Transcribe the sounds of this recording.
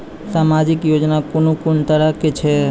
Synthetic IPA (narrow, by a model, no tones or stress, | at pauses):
samad͡ʒikjod͡ʒnakʊnukʊɳt̪əɾəkːet͡ʃʰe